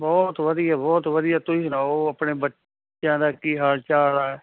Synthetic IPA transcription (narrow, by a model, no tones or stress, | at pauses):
bɔːt̪ʋəd̪ijaːbɔːt̪ʋəd̪ɪjaːt̪ʊiːnaːoəpɳeːbətː | t͡ʃãːd̪aːkiːɦaːlt͡ʃaːɽaːɛ